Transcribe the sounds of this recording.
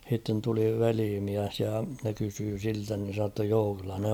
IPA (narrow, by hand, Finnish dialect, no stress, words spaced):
h̞itːen tuli ʋeliːmiæs jɑ ne kysyː siltæ nin̞ se sɑ tːɑ joː kylːæ ne